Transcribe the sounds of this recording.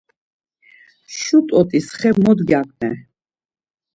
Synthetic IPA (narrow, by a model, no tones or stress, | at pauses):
ʃut̪ʼɔt̪ʼisχɛbmɔd̪ɡakʰʼnɛ